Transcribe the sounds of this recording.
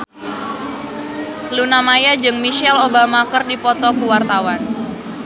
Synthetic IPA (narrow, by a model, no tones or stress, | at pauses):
lunamajad͡ʒɨŋmiʃɛlobamakərdipɔt̪ɔkuwart̪awan